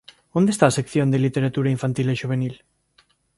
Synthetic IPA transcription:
õnd̪est̪aːsekθjõnd̪elit̪eɾat̪uɾaiɱfant̪ileʃuβ̞enil

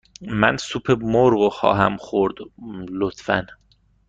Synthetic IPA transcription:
mæ̰nsuːpʰemoɾɢoxɒ̰ːɦæmxoɾd̪̥lot̪fæ̰n

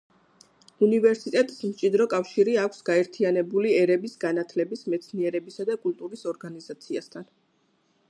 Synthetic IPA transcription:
univɛɾsit̪ʼɛt̪ʼi̥smt͡ʃʼid̪ɾɔkʼafʃiɾiakʷʰsɡ̥aɛɾt̪ʰianɛbuliɛɾɛbisɡanat̪ʰlɛbismɛt̪sʰniɛɾɛbisad̪akʼult̪ʼuɾisɔɾɡanizat̪sʰiast̪ʰan

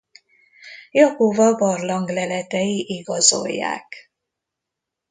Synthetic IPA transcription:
jɒkovɒbɒrlɒŋɡlɛlɛt̪ɛjiʔiɡɒzo̞̰jːa̰ːk

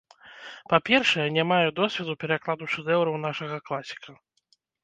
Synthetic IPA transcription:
papʲɛrʂɐjɛnʲamajɛd̪ɔsʲvʲɛd̪upʲɛɾaklˠad̪uʂɛd̪ɛwɾɐwnaʂɐɣɐklˠasʲi̥kɐ

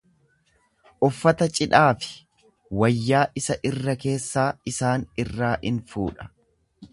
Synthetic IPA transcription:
ʔʊfːɐt̪ɐt͡ʃʼɪᶑaːfɪ̥ | wɐjːaːʔɪsɐʔɪrːɐke̞ːsːaːɪsaːnɪrːaːʔɪnfṵːᶑɐ̥

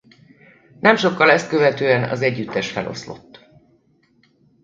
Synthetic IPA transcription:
nɛmʃo̞kːɒlɛst̪̚køvɛt̪øːɛnɒ̰zɛɟːyt̪ːɛʃfɛlʔo̞̰slo̞̰t̪ː

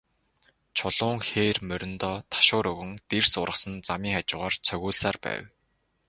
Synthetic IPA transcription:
t͡ɕʰʊɮ̥ʊːŋxeːrmœɾʲɪ̆nt̪ɔːt̪ʰḁʃʊːɾɵɣɵ̆ŋt̪ersʊɾə̆χsə̆nt͡samiːŋat͡ɕʊːʁaːrt͡sʰœɣuːɮsaːrpæ̰ːw

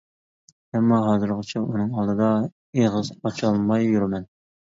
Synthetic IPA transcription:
ɛmːɑɦɑːzɨɾqɨt͡ʃʰɛunɨŋɑlˠd̪ɨd̪ɑ | eʁɨzɑt͡ʃʰɑlˠmɑjːuɾmɛn

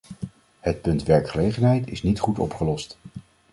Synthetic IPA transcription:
hət̚pɵntʋɛɹkχəlejχənɦɛjtɪ̰snitχutɔ̰pχəlɔst

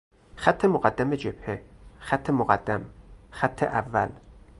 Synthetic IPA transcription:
xæt̪ʰːemoɣæd̪ːæmed͡ʒeb̥hexæt̪ʰːemoɣæd̪ːæmxæt̪ʰːḛʔævːæ̰l

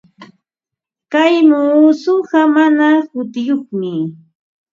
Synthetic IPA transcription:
kajmoːsʊɢɑmanakʊt̪ɪjoχmɪ

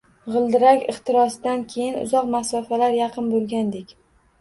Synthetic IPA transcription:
ʁɨlˠd̪ɪɾakʲɪχt̪ɪɾɒsd̪ankʲʰe̞jɪnʊ̰zɒqmasɒfalaɾjɑqʰɨnbolˠɡʲand̪ekʲ

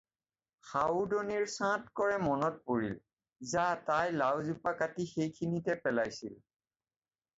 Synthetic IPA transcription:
xawdɔniɹsãtkɔɹɛmɔnɔt̚poɹil | zatajlawzupakatixejkʰinitɛpɛlajsil

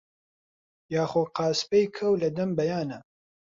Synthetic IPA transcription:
jaːxoːqɑːspejkʰɐwlɐd̪ɐmbɐjaːnɐ

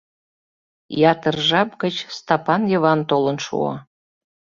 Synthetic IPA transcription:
jɑt̪ərʒɑpɡət͡ɕst̪ɑpɑnjə̆βɑnt̪olənʃṵɑ̰

